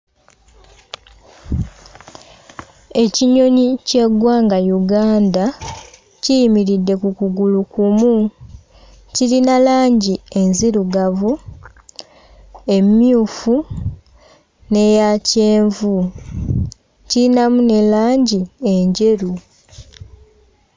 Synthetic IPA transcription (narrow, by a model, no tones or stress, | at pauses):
e̞ciɲo̞ɲice̞ɡwaːŋɡajuɡaːnda | cijimiɾidːe̞kukuɡulukumu | cilinalaːɲɟie̞nziɾuɡavu | e̞mːjuːfu | ne̞jaceːɱvu | ciɾinamune̞laːɲɟie̞ɲɟe̞ɾu